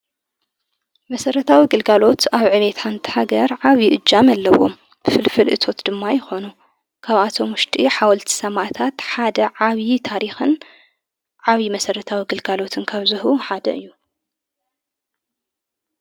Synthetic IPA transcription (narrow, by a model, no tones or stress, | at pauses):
mɐsɐɾɐt̪ʰawiɡɨlɡalo̞t̪aβʕɨβet̪ʰant̪ʰi̥ħaɡɐɾʕaβjiʔɨd͡ʒːamalːɐwo̞̰m | fɨlfɨlʔɨt̪ʰo̞t̪d̪̥ɨmːajɪxo̞nu | kʰaβat̪ʰo̞mwʊʃt̪ʼiħawɐlt̪ʰi̥sɐmat̪ʰat̪ħad̪ɐʕaβjit̪ʰaɾixɨn | ʕaβimɐsɐɾɐt̪ʰawiɡɨlɡalo̞t̪ʰɨnkʰaβzɨhuħad̪ɐ̰ɨjːu